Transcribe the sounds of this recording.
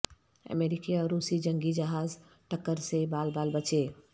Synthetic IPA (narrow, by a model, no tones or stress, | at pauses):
ə̰meːɾɪkiɔːɾːuːsid͡ʒə̃ŋɡid͡ʒɐɦaːz | ʈəkːəɾsebaːlbaːlbət͡ʃeː